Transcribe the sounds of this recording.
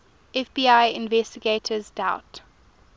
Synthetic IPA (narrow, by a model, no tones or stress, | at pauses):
ʔɛfbiːaɪɪ̃nvɛstɪɡeːtʰəzdaʊt